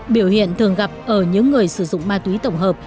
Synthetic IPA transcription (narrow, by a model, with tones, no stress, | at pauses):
ɓi˧˩əwhḭ˧˨ənt̪ʰɨ˨˩əŋɣa˨˩p̚ʔəː˧˩ɲɨ̰˧˥ŋːɨ˨˩əjsɨ˧˩zʊ̰˧˨ŋ͡mmaː˧t̪wi˨˦t̪ə˧˩wŋ͡mɦəː˨˩p̚